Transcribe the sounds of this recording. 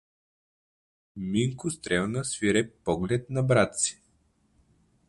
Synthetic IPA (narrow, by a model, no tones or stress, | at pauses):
miŋkʊst̪ɾɛlnəsviɾɛpɔɡlɛt̪nɐbɾat̪si̥